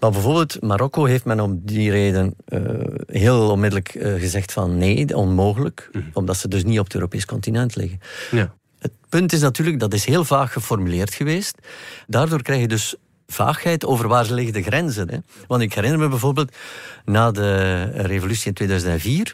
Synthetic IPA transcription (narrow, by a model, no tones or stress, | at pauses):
ʋɑlˠbəvoːrbeːlˠtmaɾɔkoɦeftmɛnɔmdireːdənə̰ɦeːlˠɔnmɪdələkɣəzɛxtfɑnːeːɔnmoːɣələkɔmdɑtsədɵs̬niɔpətø̰ːɾopeːskɔntinɛntlɪ̰ɣən | ət̚pɵntɪs̬natyːrləkɡ̚dɑtɪsɦeːlˠvaːxːəfɔrmyleːrtxəʋeːstdaːrdoːrkrɛjxjədɵs | v̥a̰ːxhɛjtoːvərʋaːrzəlɪɣədəɣɾɛnzənɛ̰ʋɑntɪkɦɛɾɪnərməbɛvoːrbeːlˠtnaːdərevolysiɪntweːdœːzəntɛnviːr